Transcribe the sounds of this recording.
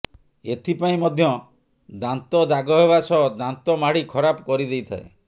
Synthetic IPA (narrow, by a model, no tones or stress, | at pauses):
et̪ʰipaĩmɔd̪ʱjɔ | d̪ant̪ɔd̪aɡɔɦeβasɔɦd̪ant̪ɔmaɽikʰɔɾapɔkɔɾid̪ejt̪ʰae